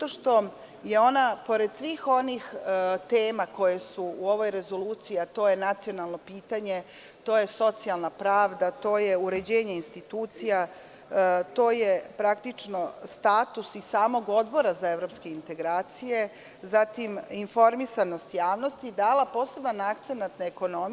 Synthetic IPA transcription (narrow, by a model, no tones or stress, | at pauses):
t̪oʃt̪o̞ | je̞o̞napo̞ɾe̞d̪sʋiːxo̞nixt̪e̞ːmako̞jesuuo̞ʋo̞jɾe̞zo̞luːt̪sijat̪o̞ːje̞nat̪sio̞nalˠno̞piːt̪aɲe̞ | t̪o̞ːje̞so̞t̪sialˠnapɾaːʋd̪at̪o̞ːjeuɾe̞d͡ʑe̞ːɲe̞inst̪it̪uːt̪sija | t̪o̞ːjepɾakt̪it͡ʂno̞st̪aːt̪usisaːmo̞ɡo̞d̪bo̞ɾazae̞ʋɾo̞pske̞int̪e̞ɡɾaːt̪sije̞ | zat̪iminfo̞ɾmisano̞st̪jaːʋno̞st̪id̪aːlapo̞ːse̞banakt̪senant̪neeko̞no̞m